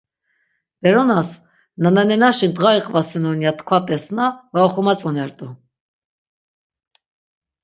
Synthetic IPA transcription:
b̥ɛɾɔnas | nənɛnɛnaʃint̪ʁaiqʼvasɛnɔnjat̪ʰkʰvat̪ʼɛsnavaɔχumat͡sʼɔnɛɾt̪ʼu

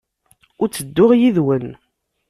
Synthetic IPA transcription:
ʊɾt͡sːəd̪ːʊʁjiðwən

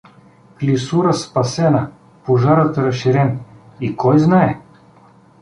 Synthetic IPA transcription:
klʲisuɾəspɐsɛna | poʒaɾət̪ɾɐʃiɾɛnikɔjznaɛ

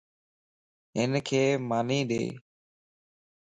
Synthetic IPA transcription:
ɦɪnkʰeːmaːniːɗḛː

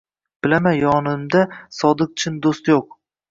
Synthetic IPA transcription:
b̥ɪlamajɒnɪmd̪asɒd̪ɨq̚t͡ʃʰɪnd̪ost̪joq̚

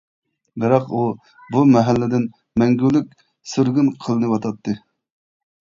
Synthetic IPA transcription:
bɨɾɑqu | bumɛɦælːɪd̪ɪn | mɛŋɡʲylykʲ | søɾɡʲynqʰəlˠɨnɨwɑt̪ʰɑt̪ʰːɨ

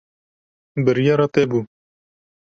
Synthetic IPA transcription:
bɨɾjɑːɾɑt̪ɛbu

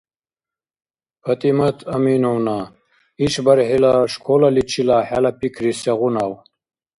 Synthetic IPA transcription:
pʰɐt̪imɐt̪ʰɐmiːnowna | iɕbɐɾɦilaʂkʰolalit͡ɕʰilaħalɐpikʰɾiseɣunaw

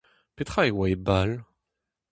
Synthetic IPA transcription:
pet̪χaewaebal

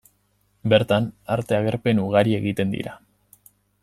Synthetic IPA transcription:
be̞ɾt̪anaɾt̪e̞aɣ̞e̞ɾpe̞nuɣ̞aɾie̞ɣit̪e̞nd̪ḭɾa̰

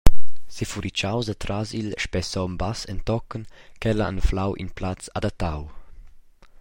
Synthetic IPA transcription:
sifuɾʔit͡ʃawzat̪ɾazilʃpɛsɔmbasɛnt̪ɔkːənkɛlaa̰nflawʔḭnplat͡sad̪at̪ːaw

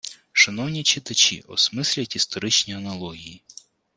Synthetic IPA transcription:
ʃɐnɔwnʲit͡ʃɪt̪ɐt͡ʃʲḭʔɔ̰smɪsʲlʲɐtʲist̪ɔɾɪt͡ʃnʲiɐnɐlˠɔɦʲiji

